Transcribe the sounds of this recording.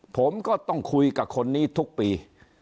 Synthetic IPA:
pʰo˩˦mkɔː˥˩t̪ɔ˥˩ŋkʰu˧jka˨˩p̚kʰo˧nːiː˥˩t̪ʰu˦˥k̚piː˧

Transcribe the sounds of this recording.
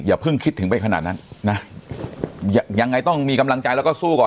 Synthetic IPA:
jaː˨˩pʰɯ˥˩ŋkʰi˦˥t̪ʰːɯ˩˦ŋpa˧jkʰa˧naː˨˩t̪̚na˦˥nːa˦˥ | ja˧ja˧ŋːa˧jt̪ɔ˥˩ŋmiː˧ka˧mla˧ŋt͡ɕa˧jlɛ˦˥kɔː˥˩suː˥˩kɔː˨˩

